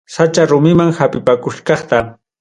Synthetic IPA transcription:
sat͡ʃaɾʊmɪmaŋhapɪpakʊʃkɑχt̪a

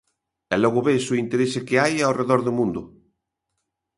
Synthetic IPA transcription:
ɛlɔɣʊβesʊint̪eɾesɪkeajaoreðɔɾðomũnd̪ʊ

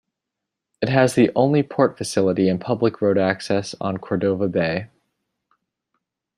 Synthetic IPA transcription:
ɨt̚ɦɨzðiʔõʊ̃nlipʰɔɹtfɨsɪlˠəɾiɨ̃npʰʌbləkʰɹoʊɾæksɛsn̩kʰɔɹdoʊvəbeɪ

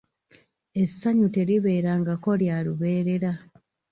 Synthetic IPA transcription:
e̞sːaɲute̞ɾiβe̞ːɾaŋɡako̞ljaluβe̞ːɾe̞ɾa

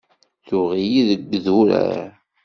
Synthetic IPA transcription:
θʊʁijiðəɡːðuɾæ̰ɾ

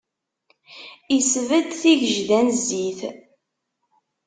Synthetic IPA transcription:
isvəd̪θiʝəʒðænziθ

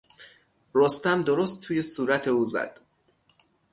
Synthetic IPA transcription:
rost̪æmd̪oɾost̪ʰːuːje̞suːɾæt̪ʰe̞uːzæ̰d̪̥

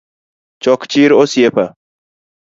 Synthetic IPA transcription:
t͡ʃɔkt͡ʃiɾosjepa

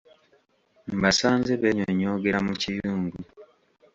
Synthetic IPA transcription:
mbasaːnzeβeɲoɲo̞ɡe̞ɾamucijuːŋɡu

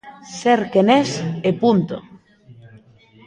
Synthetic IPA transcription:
seɾkenesepunt̪o̰

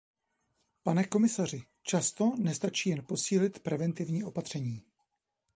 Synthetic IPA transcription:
panɛko̞mɪsar̝ɪ | t͡ʃast̪o̞nɛst̪at͡ʃiːjɛnpo̞siːlɪt̪pɾɛvɛnt̪ɪvɲiːʔo̞pat̪r̝̥ɛɲiː

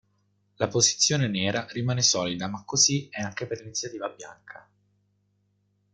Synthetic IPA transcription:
lapozi̥t̪sːjoːneneːɾaɾimaːnesɔːlid̪amakːoziɛaŋkeperlinit̪sːjat̪iːvabja̰ŋkʰa

